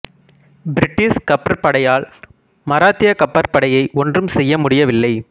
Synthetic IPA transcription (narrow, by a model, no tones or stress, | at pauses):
bɪɾɪʈːɪskɐpːɐɾpɐɽɐjaːl | mɐɾaːt̪ːɪjɐkɐpːɐɾpɐɽɐjɐɪʔɔndrɯmsɛjːɐmʊɽɪjɐʋɪlːɐɪ